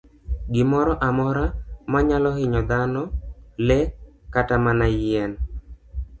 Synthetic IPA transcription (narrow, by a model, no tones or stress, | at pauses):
ɡɪmɔɾɔʔamɔɾamaɲalɔhɪɲɔd̪anɔlɛkatamanajɛn